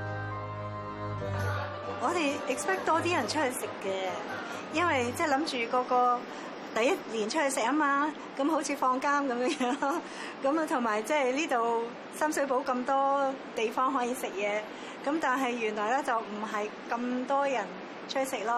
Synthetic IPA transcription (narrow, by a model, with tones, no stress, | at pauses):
ŋɔː˨˧t̪e˨jʔɪ˨k̚spɛː˥k̚t̪ɔː˥t̪iː˥jɐ˨˩nt͡ʃʰɵ˥hɵ˧sɪ˨kːɛː˧ | jɐ˥nwɐ˨jt͡sɛː˥˩lɐ˨˥mt͡ʃyː˨kɔː˧kɔː˧ | t̪ɐ˨˧jɐ˥t̚liː˨˩nt͡ʃʰɵ˥hɵ˧sɪ˨k̚ɐ˥maː˧ | kɐ˨˥mɦo˨˥wt͡sʰiː˨˧fɔː˧ŋkaː˥mkɐ˨˧mjœː˨˥ŋjœː˧˥ŋ | kɐ˨˥m˨t̪ʰʊ˨˩ŋmaː˨˩jt͡sɛː˥liː˥t̪o˨w | sɐ˥msɵ˨˥ɥp̬o˨˥wkɐ˧mt̪ɔː˥t̪e˨jfɔː˥ŋɦɔː˨˥jiː˧sɪ˨k̚jɛː˨˧ | kɐ˨˥mt̪aː˨nɦɐ˨jːyː˨˩nlɔː˨jlɛː˥t͡sɐ˨wm̩˨˩ɦɐ˨jkɐ˧mt̪ɔː˥jɐ˨˩n | t͡ʃʰt̚sɪ˨k̚lɔː˥